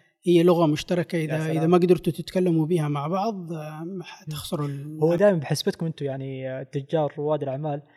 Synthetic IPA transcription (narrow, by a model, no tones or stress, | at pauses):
hɪjːalʊɣamʊʃt̪ɑɾˤɑkaʔɪðaʔʔɪðamaɡd̪ɑɾt̪ʊt̪ɪt̪kalːamubihamaʕbɑʕðˤmaħat̪ɪxsʊɾˤɪlhʊwːad̪aːjɪmanbɪħɪsbɪt̪kʊmʔɪnt̪ʊjaʕnit̪ːʊd͡ʒːɑːɾˤʊwaːd̪ɪlʔaʕmaːl